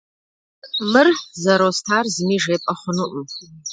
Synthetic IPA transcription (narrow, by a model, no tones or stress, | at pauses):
mɨrħzaɾostʰarzmiʐejpʼaχʷʊnuʔm